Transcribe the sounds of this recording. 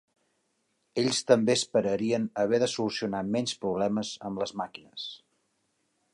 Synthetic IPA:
eʎst̪əmbeəspəɾəɾiənəβ̞ɛðəsulusiunamɛnspɾuβ̞lɛməzəmləzmakinəs

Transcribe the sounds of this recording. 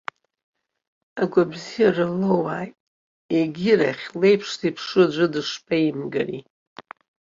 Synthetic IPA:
aɡʷabzijarɨlowaːjtʼ | eɡʲɪraχʲlejpʰʂtʰipʰʂɨd͡ʒʷɨdɨʂpʰʼaimɡa̰rḭ

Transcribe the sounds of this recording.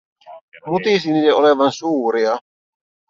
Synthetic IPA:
mut̪isiniːleʔoleʋɑnsuːɾiɑ

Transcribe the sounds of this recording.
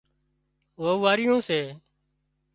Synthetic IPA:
ʋoːʋaːɾɪjõːseː

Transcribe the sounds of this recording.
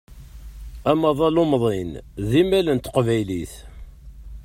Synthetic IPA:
æmɑðˤɑlʊmðˤenðimælənt̪ə̥qvæjliθ

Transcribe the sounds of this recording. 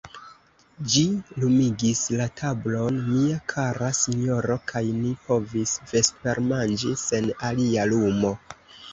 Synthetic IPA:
d͡ʒilumiɡislatʰablo̞nmiakʰaɾasiɲjo̞ɾo̞kʰajnipo̞visve̞stpe̞ɾmand͡ʒise̞nalialumo̞

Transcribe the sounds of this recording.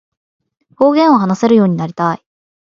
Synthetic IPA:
ho̞ːɡẽ̞ɰ̃o̞ɦanase̞ɾɯ̟jo̞ːɲ̟inaɾʲit̪ai

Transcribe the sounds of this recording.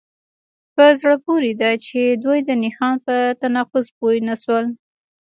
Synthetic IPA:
pəzɽəpoɾed̪at͡ʃed̪wujd̪ənɪxɑnpət̪anɑfʊzpojnaʃwəl

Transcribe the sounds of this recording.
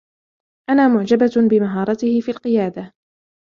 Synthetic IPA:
ʔanaːmʊʕd͡ʒababɪmaɦɑːɾˤɑt̪ɪhɪfiːalqɨjaːd̪a

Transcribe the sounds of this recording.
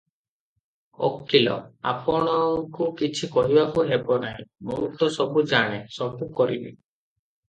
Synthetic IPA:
ɔ̰kːilɔ̰a̰pɔɽ̃ɔkukit͡ʃʰikɔɦibakuɦebɔnaj̃muut̪ɔsɔbud͡ʒaɽ̃esɔbukɔɾinḭ

